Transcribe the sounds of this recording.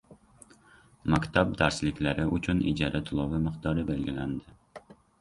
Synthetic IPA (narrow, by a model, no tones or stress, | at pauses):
mɑkʲt̪ʰɑb̚d̪æɾslɪkʲlæɾɪut͡ʃʰunḭd͡ʒɑɾʔɛt̪ʰulˠɑvɨmɨχt̪ʰɑːɾɨbælɡʲilænd̪ɪ